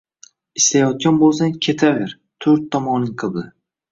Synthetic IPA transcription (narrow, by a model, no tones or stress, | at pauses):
ɪst̪ajɒt̪̚ɡʲanbolˠsaŋkʲʰe̞t̪ʰavɪɾ | t̪ʰɵɾt̪ʰːɒmɒnɪŋqʰɨlˠd̪ɪ